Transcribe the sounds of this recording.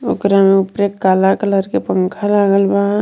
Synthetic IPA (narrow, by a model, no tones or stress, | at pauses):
o̰kɾameʊpɾekːaːlakələɾkepəŋkʰalaːɡəlba